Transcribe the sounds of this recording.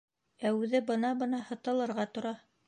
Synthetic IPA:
æʉðɘbɤ̆nɑbɤ̆nɑhɤ̆t̪ɤ̆lˠɤ̆ɾʁɑt̪ŏɾɑ

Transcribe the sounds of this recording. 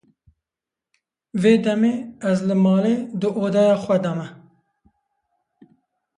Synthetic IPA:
veːd̪ɛmeːɛzlɨmɑːleːd̪ɨʔoːd̪ɑːjɑːxwɛd̪ɑmɛ

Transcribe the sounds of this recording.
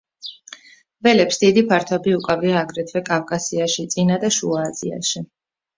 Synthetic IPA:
vɛlɛpsd̪id̪ipʰaɾt̪ʰɔbiukʼaviaːɡɾɛt̪ʰvɛkʼavkʼasiaʃit̪sʼinad̪aʃuaːzḭa̰ʃi

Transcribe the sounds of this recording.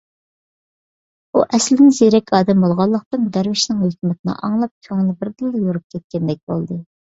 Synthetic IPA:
uʔɛslɪnɪzeɾɛkʲʰɑːd̪ɛmbolˠʁɑlˠːəq̚t̪ɨnd̪æɾvɪʃnɪŋhøkʲmɪt̪̚ɪnɨ̰ʔɑ̰ŋlˠɑp̚kʲʰøŋnɪbɪɾd̪ɨlˠːɨjoɾup̚kʲʰɛt̪̚kʲɛnd̪ɛk̚ʲbo̰lˠd̪ɨ

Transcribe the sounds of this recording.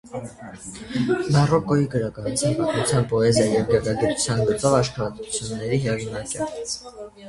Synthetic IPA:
bɑrɔkɔjiɡəɾɑkɑnut͡sʰjɑnpɑt̪mut͡sʰjɑnpɔɛzjɑjɛvɡɾkɑɡit̪u̥t͡sʰjɑnɡət͡sɔvɑʃχɑɾɑt̪ut͡sʰjunːɛɾiɦɛʁinɑkɛtit͡sʰ

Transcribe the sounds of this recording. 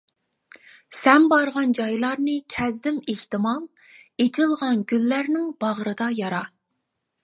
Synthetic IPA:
sɛmbɑɾʁɑnd͡ʒɑjlˠɑɾnɨkʲʰɛzd̪ɪmeht̪ɨmɑlˠ | et̪ʰɪlˠʁɑnɡʲylːæɾnɪŋb̥ɑʁɾɨd̪ɑjɑɾɑ

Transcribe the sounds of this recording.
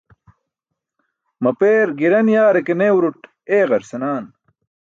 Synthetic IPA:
mɐpeːɾɡiɾɐnjaːɾekeneːwɾuʈ | eːɣɐɾsɐnaːn

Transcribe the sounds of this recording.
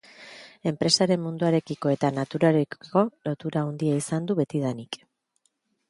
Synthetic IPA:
e̞mpɾe̞saɾe̞mmund̪uaɾe̞kiko̞e̞t̪anat̪uɾaɾeo̞lo̞t̪uɾaond̪iaisand̪uβe̞t̪ið̞anik

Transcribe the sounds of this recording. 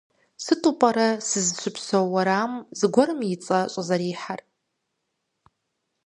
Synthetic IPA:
sɨtʼupʼaɾasɨzʃʷʊpʰsowːaɾaːmzɡʷarɨmjit͡sʼaɕʷʼazaɾiːħar

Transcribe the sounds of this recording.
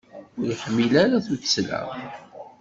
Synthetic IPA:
ʊɾjəħəmːilæɾaθutslæ̰

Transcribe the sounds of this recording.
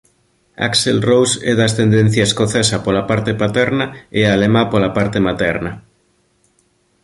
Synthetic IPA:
a̰kselrowsɛðast̪end̪ẽn̟θjaeskoθesapolapaɾt̪epat̪ɛɾnaealemapolapaɾt̪emat̪ɛɾna

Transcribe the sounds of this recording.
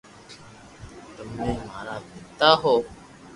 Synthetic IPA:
t̪ʊmnẽːmaːɾaːpɪt̪aːɦoː

